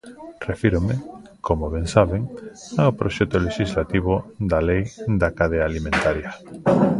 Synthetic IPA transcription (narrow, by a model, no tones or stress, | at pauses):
refiɾomekomoβɛŋsaβeŋaopɾoʃɛt̪oleʃizlat̪iβod̪alejd̪akaðeaːlimẽnt̪aɾjɐ